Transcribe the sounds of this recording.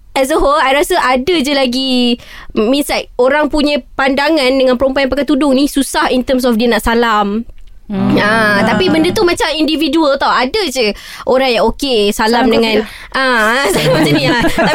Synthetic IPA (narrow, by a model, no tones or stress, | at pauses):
ʔɛs̬əɦolajɾasəʔadəd͡ʒəlaɡi | mĩnsaʔoɾaŋpuɲãpandaŋãndəŋãnpəɾəmpuãjãpakat̪udʊŋnisusahint̪əms̬ɔfdiənaʔsalam | at̪apibəndət̪umãt͡ʃamindividuəlt̪awadəd͡ʒə | ʔoɾaŋjaŋokesalamdəŋãn | ʔãsalamd͡ʒənnĩaa